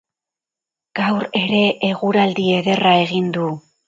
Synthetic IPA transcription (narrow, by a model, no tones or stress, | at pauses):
ɡ̥awɾe̞ɾe̞ʔːɣuɾald̪ie̞ðe̞rae̞ɣind̪u